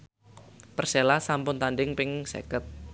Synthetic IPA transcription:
pərselasampʊnt̪andɪŋpɪŋsḛkət̪̚

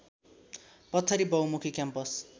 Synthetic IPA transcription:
pʌt̪ʰːʌɾibʌwmukʰikjampʌs

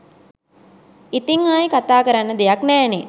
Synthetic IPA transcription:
it̪iŋaːjikat̪aːkəɾanːəd̪ejaknɛːne

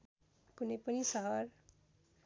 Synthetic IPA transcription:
kunʌjpʌnisʌɦʌɾ

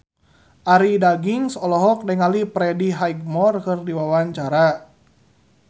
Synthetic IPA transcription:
ʔaɾidaɡiŋsɔlɔɦɔk̚dɛŋalipɾɛdiɦajɡ̚mɔrkɨrdiwawaɲt͡ʃaɾa

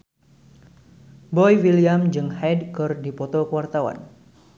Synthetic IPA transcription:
bɔjwiliamd͡ʒɨŋhajdkɨrdipɔt̪ɔkəwart̪awa̰n

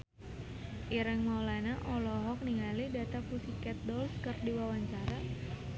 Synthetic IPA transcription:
ʔiɾəŋmɔlanaʔɔlɔɦɔk̚niŋalidat̪apusikɛt̪̚dɔlskərdiwawaɲt͡ʃaɾa

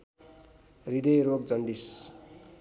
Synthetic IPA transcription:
rid̪ʌjɾoɡd͡zʌɳɖis

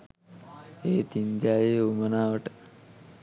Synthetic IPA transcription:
eːt̪ind̪jaːjeumɐnaːʋɐʈ

